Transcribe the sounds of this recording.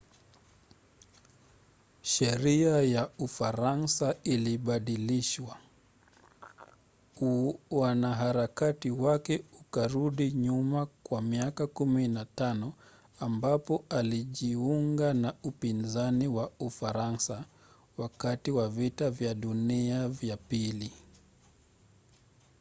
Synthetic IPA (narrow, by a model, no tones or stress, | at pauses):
ʃɛɾiajaufaɾansailiɓaɗiliʃwa | wanaɦaɾakatiwakɛukaɾuɗiɲumakwamiakakuminatanɔ | ambapɔaliʄiuŋɡanaupinzaniwaufaɾansa | wakatiwavitavjaɗuniavjapili